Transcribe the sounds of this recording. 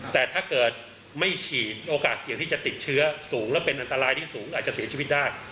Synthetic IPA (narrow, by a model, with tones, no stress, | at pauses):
t̪ɛː˨˩t̪ʰaː˥˩kɤː˨˩t̪̚ | ma˥˩jt͡ɕʰiː˨˩t̪̚ʔoː˧kaː˨˩t̪si˨˩˦t̪ʰiː˥˩t͡ɕa˨˩t̪i˨˩t̪̚t͡ɕʰɯ˦˥ɐsuː˩˦ŋlɛː˦˥˩wpe˧nʔa˧nt̪a˧ɾaː˧jt̪ʰiː˥˩suː˩˦ŋʔaː˨˩t̪̚t͡ɕa˨˩si˩˦t͡ɕʰi˧wi˦˥t̪̚daː˥˩j